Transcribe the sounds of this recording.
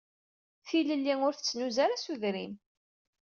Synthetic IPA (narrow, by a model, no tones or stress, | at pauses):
θiləlːiŋʊɾθə̥t͡sːnuzaɾasuðɾḭm